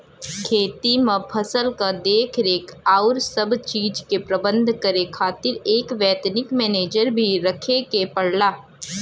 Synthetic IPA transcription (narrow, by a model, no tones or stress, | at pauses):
kʰeːt̪imə̃pʰɐsəlkad̪eːkʰɾeːkaːʊɾsɐbt͡ʃiːd͡ʒkepɾɐbə̃nd̪ʱkɐɾekʰaːt̪ɪɾeːkʋɛːt̪nɪkmɛːneːd͡ʒəɾbʱiɾɐkʰekepɐɽ̤laː